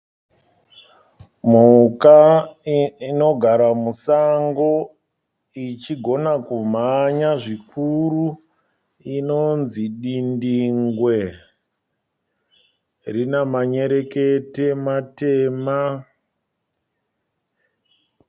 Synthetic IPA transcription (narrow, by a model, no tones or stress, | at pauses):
m̤uka | ino̞ɡʱaɾamusaŋɡo̞ | it͡ʃiɡʱo̞nakum̤aɲaʐikʰuru | ino̞nziɗindiŋɡwe | rinamaɲe̞ɾe̞ketematema